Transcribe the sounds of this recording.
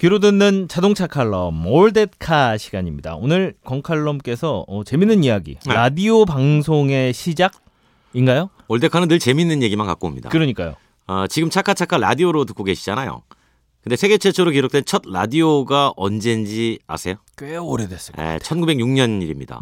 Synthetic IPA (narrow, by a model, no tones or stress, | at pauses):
kiɾodenːɯnt͡ɕadoŋt͡ɕʰakʰaɭːʌmoɭde̞t̚kʰaɕʰiɡaɲimɲida̰onɯɭkwʌŋkʰaɭːʌmk͈e̞sʰʌʌt͡ɕe̞minːɯnijaɡḭɾadiopaŋsʰoŋe̞ɕʰid͡ʑaɡ̚ | inɡajo | oɭde̞kʰanɯnːɯɭt͡ɕe̞minːɯnje̞ɡimanka̰k͈omɲida̰kɯɾʌɲik͈a̰jo̰ | ʌt͡ɕiɡɯmt͡ɕʰakʰat͡ɕʰakʰaɾa̰dioɾotɯk͈oɡe̞ɕʰi̥d͡ʑanajo̰ | kɯnde̞sʰe̞ɡe̞t͡ɕʰet͡ɕʰoɾokiɾok̚t͈we̞nt͡ɕʰʌd̚ɾa̰dioɡaʔʌnd͡ʑe̞nd͡ʑia̰sʰe̞jokweoɾedwes͈ɯ̥ḛt͡ɕʰʌnɡube̞ɡjuŋɲʌniɾimɲḭda̰